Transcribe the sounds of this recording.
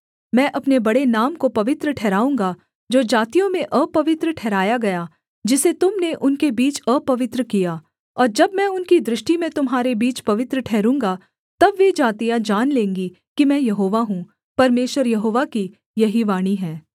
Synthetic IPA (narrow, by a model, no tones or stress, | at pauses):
mɛ̃ːʔɐpnebɐɽenaːmkopɐʋɪt̪ɾəʈʰɛːɾaːũːŋɡa | d͡ʒoːd͡ʒaːt̪ijõmẽʔəpɐʋɪt̪ɾəʈʰɛːɾaːjaɡɐja | d͡ʒɪset̪ʊmneʔʊnkebiːt͡ʃəːpɐʋɪt̪ɾəkijaː | ɔːɾd͡ʒɐbmɛ̃ʊnkid̪ɾɪʃʈimẽt̪ʊmɦaːɾebiːt͡ʃpɐʋɪt̪ɾəʈʰɛːɾũːŋɡa | t̪ɐbʋed͡ʒaːt̪ijad͡ʒaːnlẽːŋɡi | kimɛ̃ːjɐɦoːʋaɦũ | pɐɾmeːʃʋəɾjɐɦoːʋaki | jɐɦiʋaːɽ̃iɦɛ̃ː